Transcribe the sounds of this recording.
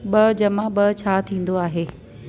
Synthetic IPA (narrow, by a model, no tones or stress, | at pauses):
ɓɐd͡ʑɐmãɓɐt͡ɕʰaːt̪ʰĩːn̆d̪oaːɦeː